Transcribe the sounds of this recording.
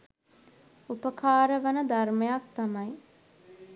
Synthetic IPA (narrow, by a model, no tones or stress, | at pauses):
upəkaːɾəʋənəd̪armejak̚t̪amɐj